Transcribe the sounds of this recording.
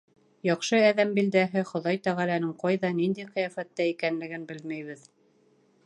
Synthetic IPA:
jɑqʃɤæðæmbild̪æɦɘχŏðɑjt̪æʁælænɘɴqɑjðɑnind̪æjqɤjæfæt̪ːæikænlɘ̆ɡɘnbɘlmæjβɘð

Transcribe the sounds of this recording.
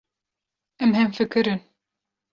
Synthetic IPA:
ɛmɦɛmfɨkɨɾɨn

